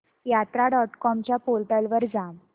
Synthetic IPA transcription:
jat̪ɾaɖɔʈkɔmt͡ɕjapolʈəlʋəɾd͡zam

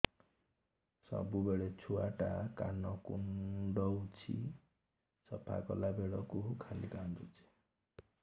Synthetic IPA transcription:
sɔ̰bubeɭet͡ʃʰuaʈakanɔkuɳɖɔwt͡ʃʰḭ | sɔpʰa̰kɔlabeɽɔkukʰalikandut͡ʃʰi̥

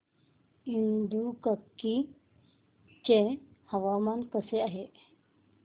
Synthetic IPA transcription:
ind̪ukəkːi | t͡ʃẽhɐʋaːmankəseaɦe

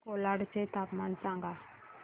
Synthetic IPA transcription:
kolaɽt͡ʃet̪apmant͡sãŋɡa

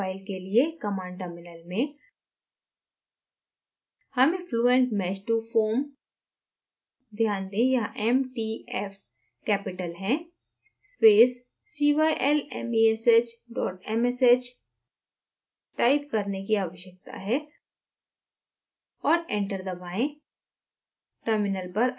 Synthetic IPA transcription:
aːɪlkeliekɐmãːɳʈəmɪnəlmẽ | hɐmẽfʰluːẽɳʈmɛːt͡ʃʈufoːɾm | d̪ʱjaːnd̪ẽjɐɦʔɛmʈiːɛːf | kɛːpɪʈəlɦɛ̃ | speːsː | iːʋaiʔɛlɛ̰mieset͡ʃɖɔːʈɛmeset͡ʃ | ʈaːɪp̚kɐɾnekiaːʋəʃjək̚t̪a̰ɦɛː | ɔːɾɛ̃ɳʈəɾd̪ɐbaːẽ | ʈəɾmɪnəlpɐɾ

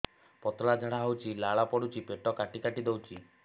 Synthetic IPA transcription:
pɔt̪ɭad͡ʒʱaɽ̃aɦɔwt͡ʃʰilaɭapɔɽut͡ʃʰipeʈɔkaʈikaʈid̪ewt͡ʃʰi

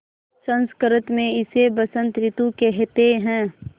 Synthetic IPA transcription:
sə̃nskəɾət̪mẽɪsebəsə̃nt̪ɾɪt̪ukɛɦt̪eɦɛ̃ː

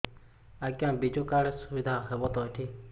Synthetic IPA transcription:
aɡjãbid͡ʒukaɽesubid̪ʱaɦebɔt̪ɔʈʰi

